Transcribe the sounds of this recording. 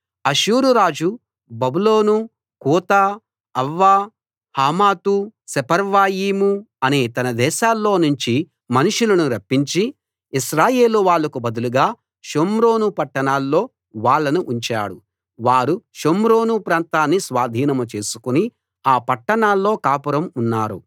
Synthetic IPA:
ɐʃuːɾuɾaːd͡ʒu | bɐbulo̞ːnu | kuːt̪aː | ɐʋːaː | haːmaːt̪usɛpɐɾʋaːjiːmu | ɐneːt̪ɐnɐd̪ɛːʃaːlːo̞ːnuɲt͡ʃi | mɐnuʂulɐnuɾɐpːiɲt͡ʃi | iʃɾaːje̞ːluʋaːɭːɐkubɐd̪uluɡaː | ʃomɾo̞ːnupɐʈːɐɳaːlːo̞ː | ʋaːɭːɐnuʔuɲt͡ʃa̰ːɽu | ʋaːɾuʃomɾoːnupɾaːnt̪aːnːisʋaːd̪ʱiːnɐmɐt͡ʃe̞ːsu̥kuni | aːpɐʈːɐɳaːlːo̞ːkaːpɐɾɐmunːaːɾṵ

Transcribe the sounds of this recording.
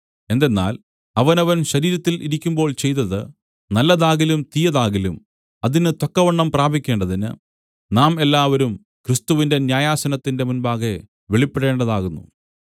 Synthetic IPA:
e̞nd̪e̞nːa̰ːl | ɐʋɐnɐʋɐnɕɐɾiːɾɐt̪ːilʔiɾikʲːumbo̞ːɭt͡ɕe̞jt̪ːɐðɨ | nɐlːɐðaːɣilumt̪ijɐðaːɣilum | ɐðinɨt̪ɐkːɐʋɐɳːɐmpraːbʱikʲːe̞ːɳɖɐðinɨ̰ | naːme̞lːaːʋɐɾum | krist̪uʋinde̞njaːjaːsɐnɐt̪ːinde̞munbaːɣe | ʋeɭipːeɽe̞ːɳɖɐðaːɣunːṵ

